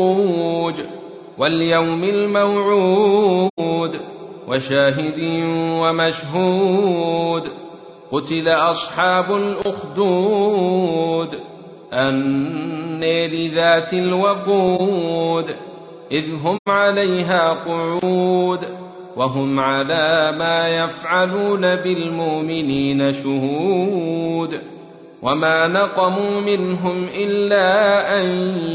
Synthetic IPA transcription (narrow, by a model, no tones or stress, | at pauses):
d̪ | waljawmalmawʕuː | d̪ | wʔaʃaːɦɪd̪iːwamaʃɦuː | d̪ | qʊt̪ɪlaʔɑsˤħɑːbʊlʔʊxd̪uː | d̪ | ʔanː | eːlɪðaːt̪alwɑquːd̪ | ʔɪðɦʊmʕalajɦaːqʊʕuːd̪ | waɦʊmʕalaːmaːjafʕaluːnabɪlmʊʔmɪniːnaʃʊhu | d̪ | wʔamaːnɑqɑmuːmɪnɦʊmʔɪlːaːʔaj